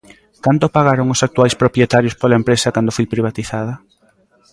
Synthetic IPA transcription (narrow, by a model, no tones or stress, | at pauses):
kant̪opaɣaɾoŋʊsak̚t̪uajspɾopjet̪aɾjospolaempɾesɐkand̪ʊfojpɾiβ̞at̪iθað̞ɐ